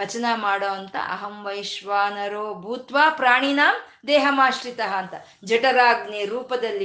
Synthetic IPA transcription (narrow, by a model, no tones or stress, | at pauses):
ɐt͡ʃɐnɐmaːɽoːʋɐnt̪ɐ̰ʔɐ̰ɦɐmʋɐjʃʋaːnɐɾoːbʱuːt̪ʋaːpɾaːɳ̃inaːm | d̪eːɦɐmaːʃɾit̪ɐɦɐːnt̪ɐ | d͡ʒɐʈɐɾaːɡneɾuːpɐd̪ɐlːi